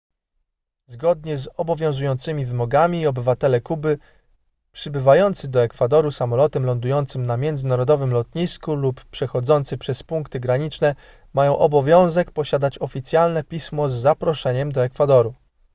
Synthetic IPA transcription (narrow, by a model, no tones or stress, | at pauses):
zɡɔd̪̚ɲɛzɔbɔvʲjɔ̃w̃zujɔnt̪sɘmʲivɘmɔɡamʲiːɔbɘvat̪ɛlɛkubɘ | pʂɘbɘvajɔnt̪sɘd̪ɔɛkfad̪ɔɾusamɔlɔt̪ɛmlɔnd̪ujɔnt̪sɘmnamʲjɛnd̪zɘnaɾɔd̪ɔvɘmlɔt̪ɲiskuluppʂɛxɔd̪zɔnt̪sɘpʂɛspuŋkt̪ɘɡɾaɲit͡ʂnɛ | majɔ̃w̃ʔɔbɔvʲjɔ̃w̃zɛkpɔɕad̪at͡ɕɔfʲit̪sʲjalnɛpʲismɔzːapɾɔʂɛɲɛmd̪ɔɛkfad̪ɔɾu